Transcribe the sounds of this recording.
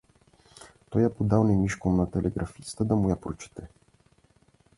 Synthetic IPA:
t̪ɔjapod̪awnɛmiʃkomnat̪ɛlʔɛ̰ɡɾʔafist̪əd̪amujapɾot͡ʃɛ̥t̪ɛ

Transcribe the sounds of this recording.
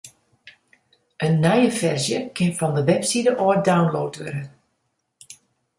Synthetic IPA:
ʔənːɛjəfɛrzjəkʰɪnfɔndəʋɛpsidəʔoːədawnloːtʋɪɾən

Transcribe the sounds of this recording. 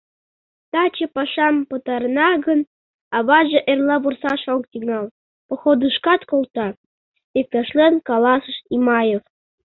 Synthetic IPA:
t̪ɑt͡ɕepɑʃɑmpət̪ɑrnɑɣən | ɑβɑʒeʔerlɑβursɑʃok̚t̪iŋɑl | pŏxod̪ɨʃkɑt̪kolt̪ɑ | ek̚t̪ɑʃlenkɑlɑsəʃimɑjef

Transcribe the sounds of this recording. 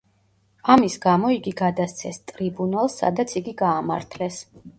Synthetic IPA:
amisɡamɔiɡiɡad̪ast̪sʰɛst̪ʼɾibunalˠsːa̰d̪at̪sʰiɡiɡaːma̰ɾt̪ʰlɛs

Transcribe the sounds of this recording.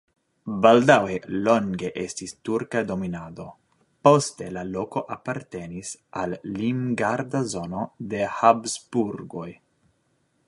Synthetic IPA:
baldawelo̞ŋɡe̞ʔe̞stistuɾkado̞minado̞ | po̞ste̞lalo̞ko̞ʔapaɾte̞nisalːimɡaɾdazo̞no̞de̞habzbuɾɡo̞j

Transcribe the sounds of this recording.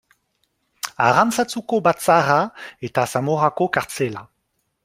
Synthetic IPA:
a̰ʁamsat͡sukobat͡saʁaet̪asamoʁakokaʁt͡sela

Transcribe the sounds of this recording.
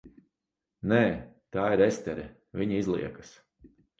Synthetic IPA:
nɛː | t̪aːiɾɛst̪ʲɛɾɛ̰ | vʲiɲiizlˠḭɛkḁs

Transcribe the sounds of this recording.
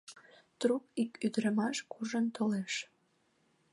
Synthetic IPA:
t̪rupikyd̪ɾəmɑʃkuʒənt̪oleʃ

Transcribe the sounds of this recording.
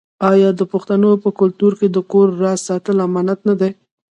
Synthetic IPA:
ɑjɑd̪əpʊxt̪anopəkʊlt̪uɾked̪əkoɾːɑsɑt̪əlamɑnat̪nad̪e

